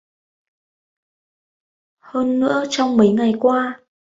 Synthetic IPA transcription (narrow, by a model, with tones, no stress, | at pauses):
həː˧nːɨ̰˧˥ət͡ɕɔ˧wŋ͡mmə˨˦jŋa˨˩jkwaː˧